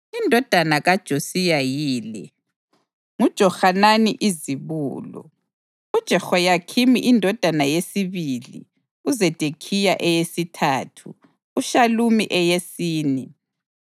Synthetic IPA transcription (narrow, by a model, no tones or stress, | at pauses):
indʱɔd̥ʱanaɣad̥ʒ̥ʱosijajiːlɛ̰ | ŋud̥ʒ̥ʱɔxananiʔiziβṵːlɔ̰ | ud̥ʒ̥ʱɛxɔjakʰimḭʔindʱɔd̥ʱanajesiβilḭ | uzɛd̥ʱekʰijaʔɛjesitʰaːtʰṵː | ʃalumḭʔɛjesiːni